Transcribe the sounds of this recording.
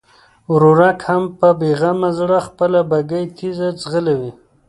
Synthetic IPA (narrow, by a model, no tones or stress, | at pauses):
ɾuɾakhampəbeɣamazɽaxpəlabaɡajt̪ʰizat͡sɣəlawi